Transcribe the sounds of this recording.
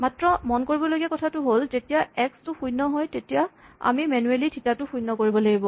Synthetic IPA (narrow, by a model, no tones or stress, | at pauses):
matɹɔmɔnkoɹibɔloɡɛkɔtʰatʊɦolzetijaɛkstʊxujnɔɦɔjtetijaa̰mimɛnuelitʰitatʊxujnːɔkoɹibɔlaɡibɔ